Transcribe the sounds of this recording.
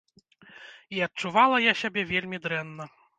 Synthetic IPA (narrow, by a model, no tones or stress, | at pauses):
iɐt̚t͡ʂuvalˠɐjasʲabʲɛvʲelʲmʲid̪ɾɛnːɐ